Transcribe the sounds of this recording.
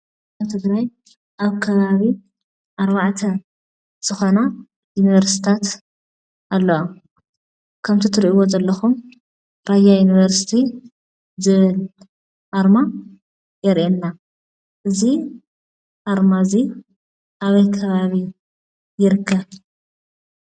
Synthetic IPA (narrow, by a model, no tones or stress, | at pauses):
aβt̪ʰɨɡɾaj | ʔaβkʰɐβaβi | ʔaɾβaʕt̪ʰɐ | z̥ɨxo̞na | junivɐɾsi̥t̪ʰat̪ | ʔalːɐwo | kʰɐmt̪ʰit̪ʰɨɾʔiwo̞zɐlːɐxum | b̥ajajunivɐɾsi̥t̪ʰi | zɨβɨl | ʔaɾma | jɛɾʔenːa | ʔɨzi | ʔaɾmazi | ʔaβɐjkʰɐβaβi | jɪɾɨkʰːɐβ